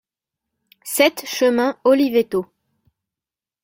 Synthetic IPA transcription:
sɛt̪ʃəmɛ̃ɔlivet̪o

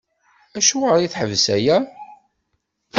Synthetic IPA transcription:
æʃuʁəɾˤiθħəvsæjæ

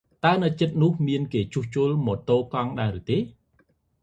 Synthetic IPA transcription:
t̪aənɨt͡ɕət̪̚nʊ̆əhmiənkeːt͡ɕuːht͡ɕuəlmɔːt̪oːkɑŋɗaɛɾɨt̪eː

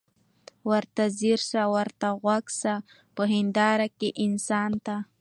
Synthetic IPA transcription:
wəɾt̪aziɾsawaɾt̪aɣwaksa | pəɦɪnd̪ɑɾakeʔɪnsɑnt̪a

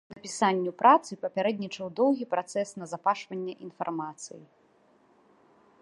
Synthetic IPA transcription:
nɐpʲisanʲːupɾʔat̪sɨpɐpʲaɾɛd̪̚ʲnʲit͡ʂɐwd̪ɔwɣʲipɾat̪sɛsnɐzapaʂvɐnʲːɛʔinfa̰rmat̪sɨ̰jḭ

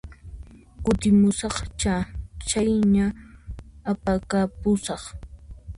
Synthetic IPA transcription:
kʊt̪ɪmʊsɑχt͡ʃat͡ʃajɲaː | pakapʊsɑχ

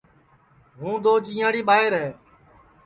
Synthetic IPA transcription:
ɦũːd̪oːd͡ʒĩːãːɽiːɓaːɦɪɾɦeː

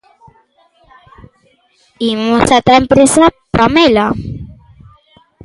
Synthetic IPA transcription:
imusat̪aempɾesapamela

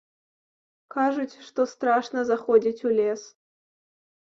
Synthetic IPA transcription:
kaʐɨtʲʂt̪ost̪raʂnəzɐχodʲitʲulʲes

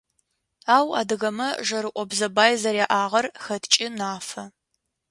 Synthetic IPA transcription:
aːwa̰ːdɨɣɐmɐʒɐɾɨʔʷɔbzɐbaːjzɐɾjaʔaːʁɐrxɐtʰt͡ʃʼɪnaːfɐ

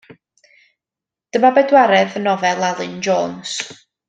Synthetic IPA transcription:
d̥əmabɛdwaɾɛðənɔvɛlˠalˠɨnd͡ʒɔːns

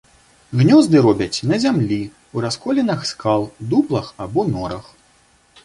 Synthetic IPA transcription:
ɣnʲɔzd̪ɨɾɔbʲɐt͡sʲnɐzʲamlʲi | uɾaskɔlʲɛnɐxskalˠd̪uplˠɐxabɔnɔɾɐx

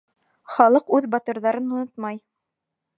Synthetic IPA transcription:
χɑlˠɤqʉðbɑt̪ɤ̆ɾðɑɾɤnŏnot̪mɑj

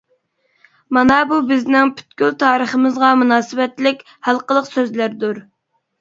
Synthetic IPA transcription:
mɑnɑbubɪznɪŋpʰy̥t̪̚kʲylt̪ʰɑːɾəχəmɨzʁɑmunɑːsɨbɛt̪lɪkʲ | hælˠqəlˠəqsøzlæɾd̪uɾ

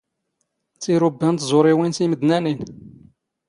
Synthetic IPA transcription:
t͡sːiɾʊbːænt̪zˤoɾˤiwinsiməd̪nænin

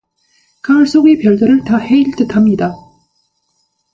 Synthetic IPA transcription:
kaɯɭs͈oɡepjʌɭdɯɾɯɭtahe̞iɭt͈ɯtʰamɲida

